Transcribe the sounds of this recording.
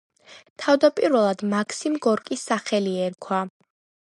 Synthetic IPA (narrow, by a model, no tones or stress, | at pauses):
t̪ʰavd̪apʼiɾvɛlˠad̪makʰsimɡɔɾkʼisːaχɛliɛɾkʰwa